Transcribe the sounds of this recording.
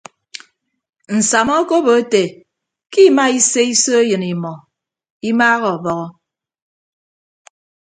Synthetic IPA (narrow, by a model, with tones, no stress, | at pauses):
n̩˨sa˨mɔ˦ko˦bo˨e˦te˨ | ki˦˨ma˦i˦se˦i˦so˦e˦jɨ˨ni˨mɔ˨ | i˦maː˦ɣɔ˨ɔ˨bɔ˦ɣɔ˦